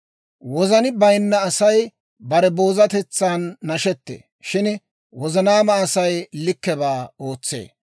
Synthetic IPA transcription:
wɔzɐnɪbɐjnːɐːsɐj | bɐɾɛbo̞ːzɐt̪ɛt͡sːaːnːɐʃɛt̪ːḛː | ʃɪn | wɔzɐnaːmɐːsɐjlɪkːɛbaːo̞ːt͡sːḛː

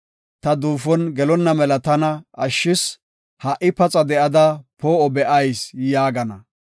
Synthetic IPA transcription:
t̪ɐd̪uːfɔnɡɛlɔnːɐmɛlɐt̪ɐnɐʔɐʃːɪs | hɐʔɪpɐt͡sʼɐd̪ɛʔɐd̪ɐpoːɔbɛʔɐjsjaːɡɐnɐ

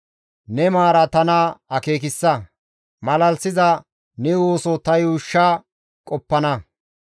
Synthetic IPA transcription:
nɛmaːɾɐt̪ɐnɐɐke̞ːk̬ɪsːɐ | mɐlɐlsɪzɐ | nɛwoːsɔt̪ɐjuːʃːa | kʼɔpːɐnɐ

